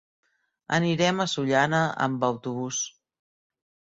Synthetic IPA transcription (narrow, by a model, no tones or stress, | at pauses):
ə̰niɾɛməsuʎanəʔə̰mbəwt̪uβ̞us